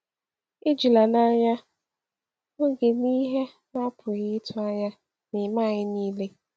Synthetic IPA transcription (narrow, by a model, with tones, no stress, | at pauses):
ɪ˦d͡ʒi˨la˨na˦ɲa˦ | ŋe˦ɡe˨ni˦ɦe˦ | na˦pʰʊ˨ɣɪ˦ɪ˦tʰʊ˦a˦ɲa˦ | nɪ˨ma˦˨ɲɪ˦niː˦le˦